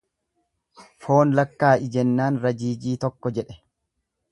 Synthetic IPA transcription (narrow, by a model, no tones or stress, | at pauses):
fo̞ːnlɐkːaːʔɪd͡ʒɛnːaːnɾɐd͡ʒiːd͡ʒiːt̪ɔkːɔd͡ʒɛᶑɛ̥